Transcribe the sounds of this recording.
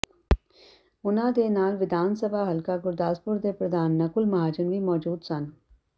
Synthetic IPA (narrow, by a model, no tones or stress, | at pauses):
ʊnãːd̪enaːlʋɪd̪ʱaːnsəbʱaːɦɐlkaɡʊɾd̪aːspʊɾd̪epɾɐd̪ʱaːnːɐkʊlmɐɦaːd͡ʒənʋimɔːd͡ʒuːd̪sɐn